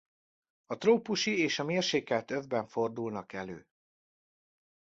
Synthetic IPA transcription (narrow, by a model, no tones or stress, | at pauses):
ɒt̪roːpuʃieːʃɒmeːrʃeːkɛlt̪øvbɛɱfo̞rd̪ulnɒkɛlø̰ː